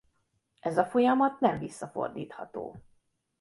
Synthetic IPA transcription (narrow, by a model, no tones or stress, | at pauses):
ɛzɒfo̞jɒmɒt̪nɛɱvisːɒfo̞̰rd̪ḭːt̪hɒt̪o̰ː